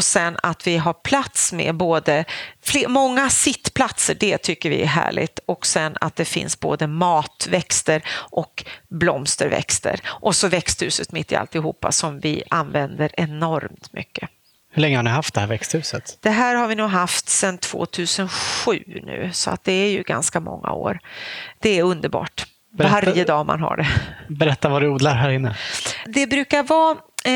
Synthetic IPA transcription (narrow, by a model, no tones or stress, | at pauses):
ɔsɛnːat̪vɪɦaɾpʰlat̪smɛ̰boːd̪əflemɔŋːasɪt̪ːpʰlat̪səɖɛt̪ʰʏkːəɾvɪ̰ɛ̰ɦæ̰ːɭɪ̰t̪ɔksɛnːa̰t̪̚d̪ɛfɪ̰nsbo̰ːd̪əmɑːt̪vɛkst̪əɾʔɔkblɔmst̪əɾvɛ̰kst̪ə̰ɾʔɔsɔvɛkst̪hʉ̟ːsət̪mɪt̪ːɪa̰lt̪ɪɦuːpːa̰sɔmvɪ̰ʔanvɛnd̪əɾɛnɔɾmt̪mʏ̰kːə | hɵɭɛŋːəhanɪɦaft̪̚d̪ɛhæːɾvɛkst̪hʉ̟ːsət̪d̪̥ɛɦæːɾhaɾvɪnuːɡɦaft̪sɛnt̪ʰv̥o̰ːt̪ʰʉ̟ːsənɧʉ̟ːnʉ̟ːsɔa̰t̪̚d̪ɛæɾjɵɡanskamɔ̰ŋːa̰o̰ːɾd̪̥ɛːɾɵnd̪əɾbɑ̰ːʈ | vaɾjəd̪ɑːma̰nɦa̰ɖɛbɛɾɛt̪ːavaɾɵuːd̪laɾɦæːɾɪnːəd̪ɛbɾʉ̟ːkaɾvɑː